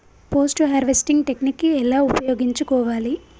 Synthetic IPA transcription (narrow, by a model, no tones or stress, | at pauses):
po̞ːsʈuɦeɾʋesʈiŋɡʈe̞knikːiɛlaːupɐjoːɡiɲt͡ʃukɔːʋaːli